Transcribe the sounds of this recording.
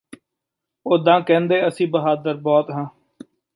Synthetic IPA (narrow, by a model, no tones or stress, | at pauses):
oːd̪ãːkɛ̃ːnd̪eːəsĩːbəɦaːd̪əɾbɔːt̪ɦãː